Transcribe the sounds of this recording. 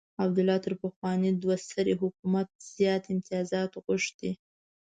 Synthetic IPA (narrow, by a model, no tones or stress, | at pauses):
abd̪ʊlɑt̪əɾpəxwɑnid̪wast̪əɾeɦʊkumat̪̚z̥jɑt̪ɪmt̪ɪjɑzɑt̪ɣʊʂd̪̥i